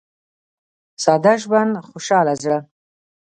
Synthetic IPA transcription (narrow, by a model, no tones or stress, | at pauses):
sɑd̪aʒband̪xoʃɑːlazɽə